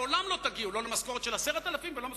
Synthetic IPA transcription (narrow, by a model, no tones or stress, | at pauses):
o̞lamlo̞t̪aɡiulo̞lemasko̞ʁet̪ʃelaseʁat̪alafimvelo̞mas